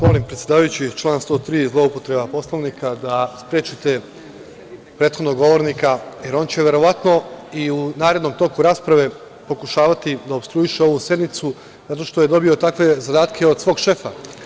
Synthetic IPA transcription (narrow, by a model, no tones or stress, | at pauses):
mo̞limpɾet̪sʲje̞d̪aːʋajut͡ɕit͡ʃlˠaːnst̪ot̪ɾiːzlˠo̞upo̞t̪ɾe̞bapo̞slˠoʋnikʰad̪aspɾjeːt͡ʃit̪e | pɾeːt̪xo̞d̪noɡo̞ʋo̞ɾnikajeɾo̞ːnt͡ɕeʋe̞ɾo̞ʋat̪no̞iunaːɾed̪no̞mt̪o̞kuɾaːspɾaʋe̞ | po̞kuʃaːʋat̪id̪aobst̪ɾuiʃeo̞ʋuse̞d̪nit̪su | zat̪o̞ʃt̪oje̞d̪o̞bio̞t̪akʋe̞zad̪aːt̪kʰe̞od̪sʋo̞ːɡʃe̞fa